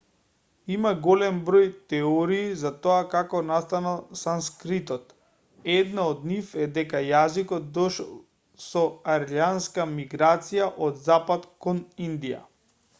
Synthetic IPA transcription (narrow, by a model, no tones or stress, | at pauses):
imaɡɔlɛmbɾɔjt̪ɛɔɾiːzat̪ɔakakɔnast̪analˠsanskɾit̪ɔt̪ | ɛd̪naɔd̪nifɛd̪ɛkajazikɔt̪̚d̪ɔʃɛlˠ | sɔaɾljanskamiɡɾat̪sijaʔɔd̪zapat̪kɔnind̪ija̰